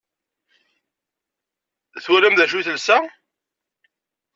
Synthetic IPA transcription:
θwælæmðæʃuθəlsæ

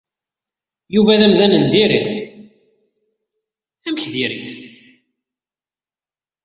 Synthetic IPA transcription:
juvæðæmðænənd̪iɾin | æmçðiɾḭθ

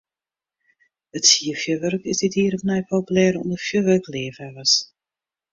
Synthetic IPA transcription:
ətsiəfjøʋørkɪsdɪthiːɾɔfnɛjpʰowpylɛːɾɔ̰ndərfjøʋørkleːvɛʋəs

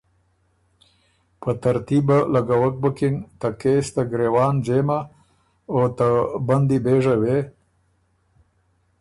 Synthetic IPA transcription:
pət̪aɾt̪ibalaɡawək̚bəkint̪akest̪aɡɾewɑːnd͡ʒema | ot̪aband̪ibeʐawe

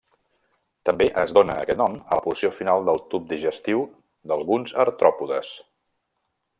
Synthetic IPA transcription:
t̪əmbeʔəzdonəːkɛt̪nɔmələpusiofinalˠd̪əlˠt̪up̚d̪iʒəst̪iw | d̪əlˠɣunzə̰ɾt̪ɾɔpuðəs

